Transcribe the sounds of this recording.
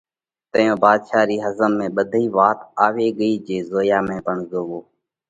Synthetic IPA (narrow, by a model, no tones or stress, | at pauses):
t̪əjõːbaːd̪ʃaːɾiːɦəzəmːẽːɓəd̪ʱiːʋaːt̪aːʋeːɠəiːd͡ʒeːzoːjaːmẽːpəɳzoːʋoː